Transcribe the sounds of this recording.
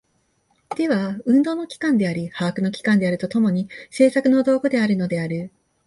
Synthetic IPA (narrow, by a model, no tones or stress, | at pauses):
d̪̥e̞βaɯ̟̃nd̪o̞ːno̞kʲi̥kãnd̪e̞aɾʲihaːkɯ̟no̞kʲi̥kãnd̪e̞aɾɯ̟t̪o̞t̪o̞mo̞ɲ̟ise̞ːsakɯ̟no̞d̪o̞ːɡod̪e̞aɾɯ̟no̞d̪e̞aɾɯ̟